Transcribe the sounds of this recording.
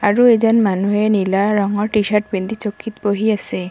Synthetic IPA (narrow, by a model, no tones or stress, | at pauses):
aɾued͡ʑɔnmanuɦenilaɾɔŋɔɾʈiʃaʈ̚bind̪it͡ɕokʰːit̪poɦijase